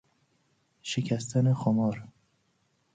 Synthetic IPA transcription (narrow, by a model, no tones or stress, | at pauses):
ʃekʰæst̪ʰænexɔmɒːɾ